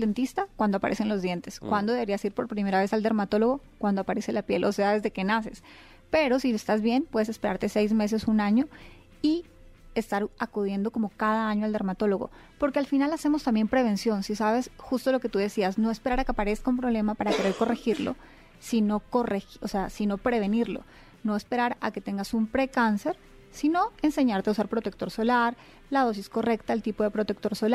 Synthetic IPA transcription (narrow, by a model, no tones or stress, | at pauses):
d̪ent̪ist̪akwand̪o̞apa̰ɾe̞senlozðje̞nt̪eskwand̪oðe̞βe̞ɾiasiɾpo̞ɾpɾime̞ɾaβe̞sald̪e̞ɾmat̪o̞lo̞ɣo̞ | kwand̪o̞apaɾe̞se̞lapje̞lʔo̞se̞aðezðe̞ke̞nase̞̰s | pe̞ɾo̞siest̪azβje̞npwe̞ðese̞spe̞ɾaɾt̪e̞se̞jzme̞s̬e̞sunaɲo̞ | i | e̞st̪aɾakuð̞je̞nd̪o̞ko̞mo̞kaðaaɲoald̪e̞ɾmat̪o̞lo̞ɣo̞̰ | po̞ɾke̞alfinalase̞mo̞st̪ambjempɾe̞β̞e̞nsjo̞nsisaβe̞sxust̪o̞lo̞ke̞t̪uðe̞siazno̞e̞spe̞ɾaɾakeapaɾe̞skaumpɾo̞βle̞mapaɾake̞ɾe̞ɾko̞rexiɾlo̰ | sino̞ko̞rexoseasino̞pɾe̞βe̞niɾlo̞̰ | no̞espe̞ɾaɾa̰ke̞t̪e̞ŋɡasumpɾe̞kanse̞ɾ | sino̞ense̞ɲaɾt̪eausaɾpɾot̪ek̚t̪o̞ɾso̞laɾ | lað̞o̞s̬isko̞re̞kt̪aelt̪ipo̞ðepɾo̞t̪e̞k̚t̪oɾsola